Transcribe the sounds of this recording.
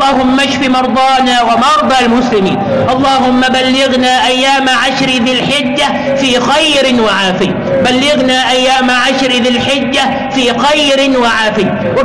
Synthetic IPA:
ɑːhʊmːaʃfimɑɾˤd̪ˤɑːnaːwamɑɾˤd̪ˤɑːlmʊslɪmḭːn | ʔɑlˤːɑːhʊmːabalːɪɣnaːʔajːaːmaʕaʃɾɪðɪlħɪd͡ʒːa | fiːxajɾɪnwaʕaːfɪ | balːɪɣnaːʔajːaːmaʕaʃɾɪðɪlħɪd͡ʒːa | fiːxajɾɪnwaʕaːfɪj | wɪ

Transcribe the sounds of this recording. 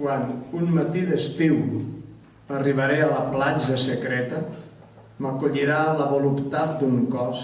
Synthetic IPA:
kwanunmət̪iðəst̪iw | əriβ̞əɾeələplad͡ʒəsəkɾɛt̪ə | məkuʎiɾaləβolupt̪at̪̚d̪uŋkɔs

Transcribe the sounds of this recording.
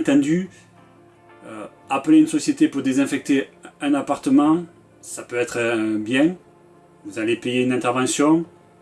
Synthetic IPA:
t̪ɑ̃d̪y | ø | apəleynsɔsjet̪epuʁd̪ezɛ̃fɛk̚t̪eɛ̃napaʁt̪əmɑ̃ | sapøɛt̪χəbjɛ̃ | vuzalepejeynɛ̃nt̪ɛʁvɑ̃sjɔ̃

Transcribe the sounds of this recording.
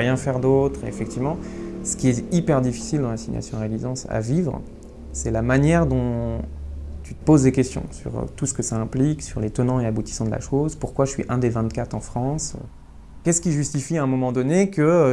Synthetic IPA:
ʁjɛ̃fɛʁd̪ot̪χeḛfɛk̚t̪ivmɑ̃sə̥kʲiɛt̪ipɛʁd̪ifi̥sild̪ɑ̃lasiɲja̰sjɔ̃ʁelizɑ̃sa̰vivʁ̰ | sɛlamanjɛʁd̪ɔ̃ | t̪yt̪ə̥pozd̪ekʲɛst̪jɔ̰̃sy̰ʁ̰t̪usə̥kəsaɛ̃pliksyʁlet̪ənɑ̃eabut̪i̥sɑ̃d̪əlʔa̰ʃozpuʁkwaəsɥḭʔɛ̃d̪evɛ̃t̪kat̪χɑ̃fχɑ̃s | kʲɛsə̥kʲiʒyst̪ifiɛ̃mɔmɑ̃d̪ɔnekə

